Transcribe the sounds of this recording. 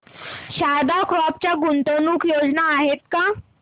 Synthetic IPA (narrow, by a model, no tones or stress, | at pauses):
ɕad̪akɾɔp̚t͡ɕjaɡunt̪onuːkjod͡znaːɦet̪̚ka